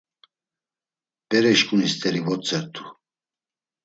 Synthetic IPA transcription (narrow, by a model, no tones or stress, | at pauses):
pʼɛɾɛʃkʼunist̪ʼɛɾivɔt͡sʼɛɾt̪ʰu̥